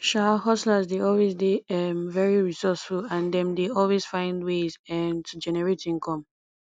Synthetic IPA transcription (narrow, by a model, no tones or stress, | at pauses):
ʃahɔslazdeɔlwezdeɛmvɛɹiɹisɔsfulãndɛ̃mdeɔlˠwez̥fãɪ̃ndwezɛmtʰud͡ʒɛnɛɹetĩŋkʰɔ̃m